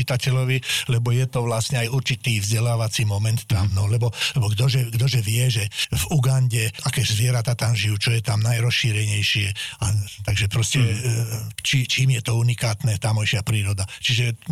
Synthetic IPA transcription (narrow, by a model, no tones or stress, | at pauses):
it̪acɛʎɔʋilɛbɔjɛt̪ɔʋlasɲɛajuɾt͡ʃit̪iːvzɟɛlaːʋat͡simɔmɛnt̪ːamnɔlɛbɔlɛbɔɡd̪ɔʒɛɡd̪ɔʒɛʋɪɛʒɛvuɡanɟɛakɛːzʋɪɛɾat̪aːt̪amʒijuːt͡ʃɔjɛt̪amnajɾɔsʃiːɾɛɲɛjʃɪɛat̪aɡʒɛpɾɔscɛ | t͡ʃit͡ʃiːmjɛt̪ɔunikaːt̪nɛt̪aːmɔjʃɪapɾiːɾɔd̪at͡ʃiʒɛ